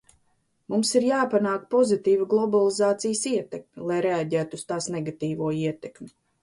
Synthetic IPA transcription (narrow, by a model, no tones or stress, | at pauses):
mumsiɾjaːpanaːkpɔzit̪iːviɡlˠɔbalˠizaːt̪sijsiɛt̪ɛkmʲilˠajɾeaɟæːt̪uust̪aːsnɛɡat̪iːvuɔiɛt̪ɛkmʲi